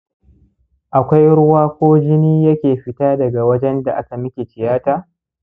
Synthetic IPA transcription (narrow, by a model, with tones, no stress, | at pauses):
ʔa˨kʷa˦jɽʊ˦waː˦kʷoː˦d͡ʒɪ˦niː˦jɐ˦kʲeː˨ɸɪ˦taː˦dɐ˨ɡa˨wɐ˦d͡ʒɛ˦nda̰˨ʔa˦ka˨mɪ˦kʲe˨t͡ʃɪ˨jaː˦taː˨